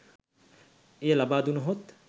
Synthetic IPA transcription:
ejəlabaːd̪unɐɦot̪

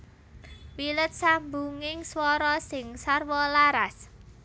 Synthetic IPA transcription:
wilət̪̚sambuŋɪŋswɔɾɔsɪŋsarwɔlaɾas

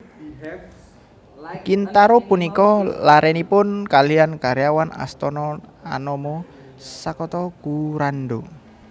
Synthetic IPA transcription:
kint̪aɾopunikɔlaɾɛnipʊnkaliankaɾejawana̰st̪ɔnɔa̰nɔmɔ | sakɔt̪ɔkuɾanɖo

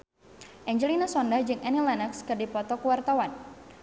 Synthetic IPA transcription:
ʔɛɲd͡ʒɛlinasɔndahd͡ʒɨŋʔɛnilɛnəkskɨrdipɔt̪ɔkuwart̪awan

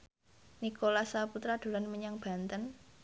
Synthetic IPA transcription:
nikolasaput̪ɾad̪̥o̤lanməɲaŋb̥a̤nt̪ən

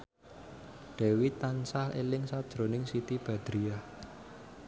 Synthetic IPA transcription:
ɖ̥ɛ̤wit̪ansahḛlɪŋsad̥ʒ̥ɾo̤nɪŋsit̪ib̥a̤d̪̥ɾiah

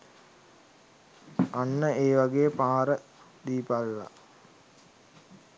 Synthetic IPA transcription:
anːəʔeːʋaɡejəpaːɾə | d̪iːpalʋa̰

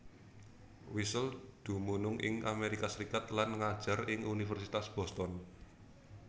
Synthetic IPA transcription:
wisəld̪̥ṳmunʊŋʔɪ̰ŋʔameɾikasəɾikat̪lanŋad̥ʒ̥a̤rɪŋunifɛrsit̪asb̥ɔ̤st̪ɔn

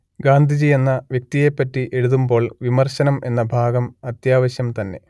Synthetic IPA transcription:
ɡaːnd̪ʱid͡ʑie̞nːɐʋjek̚t̪ije̞pːɐtːiʔeɻuðumbo̞ːɭʋimɐrɕɐnɐme̞nːɐbʱaːɡɐmɐt̪jaːʋɐɕjɐmt̪ɐnːe̞̰

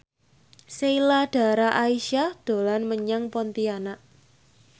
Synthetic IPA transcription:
seilad̥a̤ɾaʔaiʃahd̪̥o̤lanməɲaŋpɔnt̪ianaʔ

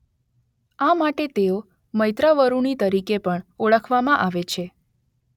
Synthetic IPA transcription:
amaʈet̪eo | məjt̪ɾaʋəɾuɳit̪əɾikepəɳoɭəkʰʋamãʔaʋet͡ʃʰe

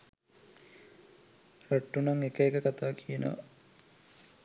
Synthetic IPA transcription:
roʈːunɐŋekəekəkat̪aːkijənə̰ʋa̰

